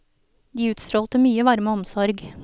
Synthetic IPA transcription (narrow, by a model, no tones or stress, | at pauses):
d̪iːʉːt̪st̪ɾoːlt̪əmyːəʋɑɾməɔmsɔɾɡ